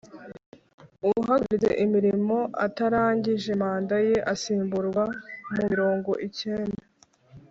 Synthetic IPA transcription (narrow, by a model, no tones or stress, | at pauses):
uuɦaɡzḛʔimiɾimo̞ʔa̰taɾaːɲɟiʒe̞maːndaje̞ʔasiːmbuɾɡwamumiɾo̞ːŋɡo̞̰ʔice̞ːnda